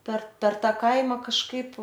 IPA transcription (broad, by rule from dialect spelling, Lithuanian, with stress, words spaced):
pʲɛr pʲɛr ˈtɑː ˈkɐɪmɐ kɐʃˈkɐɪp